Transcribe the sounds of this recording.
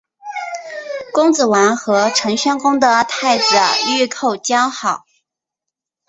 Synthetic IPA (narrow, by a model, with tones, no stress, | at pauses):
kʊ˥ŋt͡sɹ̩˨˩wa˧˥nxɤ˧˥ʈ͡ʂʰɤ˧˥ŋɕɑ˥nkʊ˥ŋd̪ə˨t̪ʰa˥˩ɪt͡sɹ̩˨˩y˥˧kʰo˥˩ʊt͡ɕjɑ˥xɑ˨˩˦ʊ